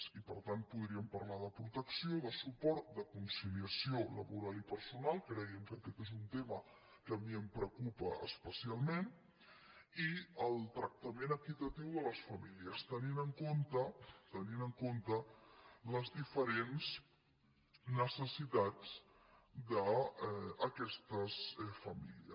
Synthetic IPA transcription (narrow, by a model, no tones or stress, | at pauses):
ipəɾt̪an̚puð̞ɾiəmpəɾlað̞əpɾut̪əksioðəsupɔɾt̪̚d̪əkunsiliəsiolə̰βuɾalipəɾsunalˠkɾɛjəmkəkɛt̪ezunt̪emə | kəmiəmpɾəkupəə̰spəsialˠmen | iəlˠt̪ɾək̚t̪əmenəkit̪ət̪iwðələsfəmiliəst̪əninəŋkont̪ət̪əninəŋkont̪ələzðifəɾenz | nəsəsit̪ad͡z | d̪əː | kɛst̪əsfəmḭliə̰